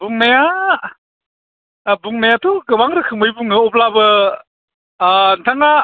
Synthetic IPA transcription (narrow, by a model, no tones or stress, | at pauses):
buŋmaja | buŋmajatʰuɡɯbaŋɾɯkʰɯŋbɯjbuŋɯɔp̚labɯ | ntʰaŋa